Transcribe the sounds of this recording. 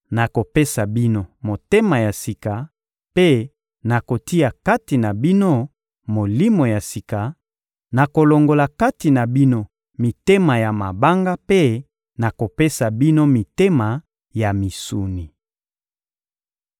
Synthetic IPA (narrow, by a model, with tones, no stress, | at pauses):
na˨ko˨pe˦sa˨bi˦no˦mo˨te˦ma˨ja˨si˨ka˨ | pe˦ | na˨ko˨ti˦a˨ka˦ti˨na˨bi˦no˦ | mo˨li˦mo˨ja˨si˨ka˨ | na˨ko˨lo˨ŋɡo˨la˨ka˦ti˨na˨bi˦no˦ | mi˨te˦ma˨ja˨ma˨ba˦ŋɡa˦pe˦ | na˨ko˨pe˦sa˨bi˦no˦mi˨te˦ma˨ | ja˨mi˨su˨ni˨